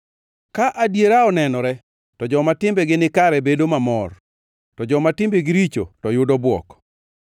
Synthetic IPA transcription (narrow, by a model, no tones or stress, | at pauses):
kaʔadjeɾaɔnɛnɔɾɛ | tɔd͡ʒɔmatɪmbɛɡɪnɪkaɾɛbedomamɔr | tɔd͡ʒɔmatɪmbeɡɪɾit͡ʃo̰tɔjʊdɔbwɔ̰k